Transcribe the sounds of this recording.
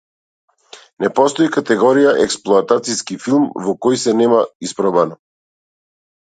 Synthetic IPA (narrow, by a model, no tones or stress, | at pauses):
nɛpɔst̪ɔikat̪ɛɡɔɾijaʔɛksplˠɔat̪at̪siskifilˠmvɔkɔjsɛnɛmaispɾɔbanɔ